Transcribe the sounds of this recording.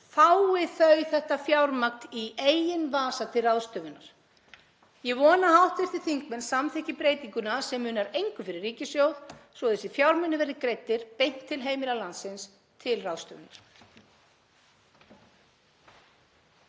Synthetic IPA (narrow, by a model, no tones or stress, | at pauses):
θawɪθœɥθɛht̪afjawɾmakt̪ieːjɪnvaːsat̪ʰɪlrawðst̪œːvʏnaɾ̥ | jɛɣvɔːnahawht̪vɪr̥θɪ̥θiŋkmɛnsamθɛhcɪpɾeːjt̪iŋkʏnasɛmːʏːnaɾejŋkʏfɪɾɪrːiːcɪsjowðsvɔðɛsɪfjawɾmɛnːɪvɛɾðɪkɾejt̪ːɪɾ̥pejn̥t̪ʰːɪlɦeːjmɪlalant̪sɪns | t̪ʰɪlrawðst̪œ̰ːvɪnaɾ̥